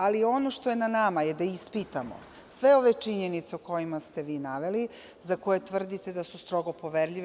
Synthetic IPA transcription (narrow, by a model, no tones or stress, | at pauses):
alio̞no̞ʃt̪oje̞nanamajed̪aispit̪amo̞̰ | sʋe̞o̞ʋe̞t͡ʂiɲenit̪seuko̞jimast̪e̞ʋiːnaʋe̞li | zako̞je̞t̪ʋr̩d̪it̪e̞d̪asust̪ɾoɡo̞po̞ʋeɾʎiʋ